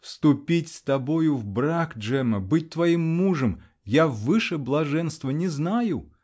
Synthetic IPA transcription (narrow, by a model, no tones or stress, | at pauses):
fst̪ʊpʲitʲst̪abojʊvbɾakd͡ʐɛmɐbɨt̚ʲt̪vɐjimːuʐəm | javːɨʂɛblˠɐʐɛnst̪vənʲɛznajʊ